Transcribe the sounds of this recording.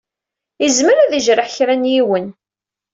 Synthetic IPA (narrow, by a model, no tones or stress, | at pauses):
əzməɾæðiʒɾəħçɾænjiwən